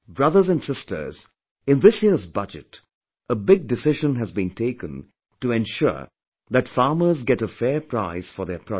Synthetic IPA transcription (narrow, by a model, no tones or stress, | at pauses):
bɹʌðə˞zɨ̃nsɪstʰə̰˞z | ɨ̃nðɪsjiɹzbʌd͡ʒɨ̰t | ʔəbɪɡ̚dɨsɪʒə̃nɨzbĩntʰeɪkə̰̃n | tɨɛ̃nʃʊ̰ɹ | ðɨtfɑɹmə˞zɡɛɾəfɛɹpʰɹ̥aɪz̥fə˞ðə˞pʰɹ̥ɔ